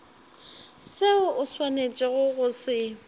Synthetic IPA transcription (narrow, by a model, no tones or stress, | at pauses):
sɪʊʔʊswanet͡ʃʼɪɣʊɣʊsɪ